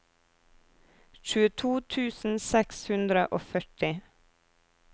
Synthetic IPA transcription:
ʃʉːət̪ʰuːt̪ʰʉːsn̩sɛkshʉnd̪ɾəʔoːfœʈɪ

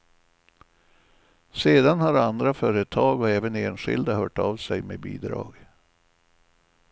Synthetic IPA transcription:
seːd̪anhaɾand̪ɾafœːɾət̪ʰɑːɡɔɛːvəneːnɧɪ̰ld̪ahœːʈavsɛjmḛbḭːd̪ɾɑ̰ːɡ

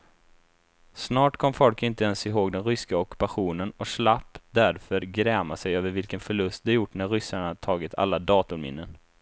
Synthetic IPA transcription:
snɑːʈkʰɔmːfɔlkɪnt̪əɛnsɪɦoːɡd̪ɛnɾʏskaɔkɵ̥paɧuːnənɔʂlapːd̪æɾfœɾɡɾɛːmasɛjøːvəɾvɪlkənfœɭɵst̪̚d̪ɛjʊʈːnæɾɾʏsːaɳaat̪ʰɑːɡɪt̪ʰa̰lːad̪ɑːt̪ʊɾmɪ̰nːən

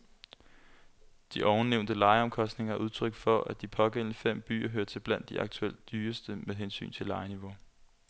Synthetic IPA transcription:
d̥iʔɒʊn̩neʊnd̥əlɑ̈ɪəɒ̽mkʰɒ̽sd̥ne̝ŋɐʔuð̞ˠt͡sʰʁœɡ̥fɒ̽ʔæd̥ipʰɒ̽ɡ̥en̰nəfem̰b̥y̰ːɐɦøɐt͡sʰe̝b̥læn̰d̥ːiʔɑ̈ɡ̥̚t͡sʰuel̰d̥d̥yːɐsd̥əmeðɦensy̰ːnt͡sʰe̝lɑ̈ɪəniʋo̝

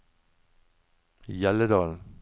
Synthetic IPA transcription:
jɛləd̪ɑːln̩

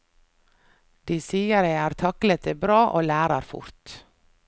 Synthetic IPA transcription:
d̪̥iːsiːəɾjæɪæːɾt̪ʰɑklət̪eːbɾɑːʔoːlæːɾəɾfʊ̰ɾt̪

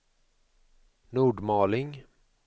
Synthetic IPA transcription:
nuːɖmɑːlɪŋ

